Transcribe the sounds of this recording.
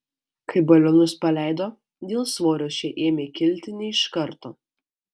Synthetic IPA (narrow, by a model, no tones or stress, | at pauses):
kɐɪbɐlʲonʊspɐlʲæˑɪd̪oː | d̪ʲeːlˠsʋoːɾʲoːsʃʲeːʔeːmʲeːkʲɪlʲt̪ʲɪnʲɛɪʃkɐɾt̪oː